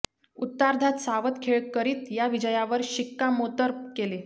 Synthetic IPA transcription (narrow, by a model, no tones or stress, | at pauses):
ut̪ːaɾd̪ʱat̪saʋət̪kʰeɭkəɾiːt̪jaʋid͡ʑəjaʋəɾɕikːamot̪əɾkele